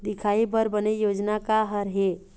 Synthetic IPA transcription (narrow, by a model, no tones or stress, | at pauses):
d̪ikʰaibəɾbənejod͡ʒnakaɦəɾɦe